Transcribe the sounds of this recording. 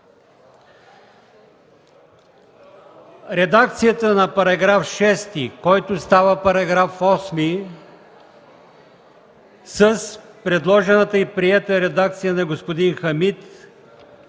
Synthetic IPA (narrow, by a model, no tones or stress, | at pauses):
ɾɛd̪ak̚t̪sijət̪ənɐpɐɾɐɡɾafʃɛst̪ikɔjt̪ʊst̪avəpɐɾɐɡɾafɔsmi | səs | pɾɛd̪lˠɔʒɛnət̪əipɾiɛt̪əɛɾɛd̪ak̚t̪sijənɐɡospod̪inxɐmit̪